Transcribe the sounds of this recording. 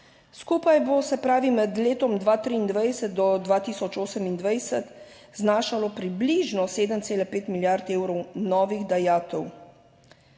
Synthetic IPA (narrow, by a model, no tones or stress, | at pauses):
skuːpajbosɛpɾaːʋimɛd̪leːt̪ɔmd̪ʋaːt̪ɾiːnd̪ʋajsɛt̪̚d̪ɔd̪ʋaːt̪iːsɔt͡ʃoːsəmind̪ʋajsɛt̪ | znaːʃalɔpɾibliʒnɔseːd̪əmt̪seːlapeːt̪miljaɾt̪eːwɾɔwnɔːʋiɣd̪ajaːt̪ɛw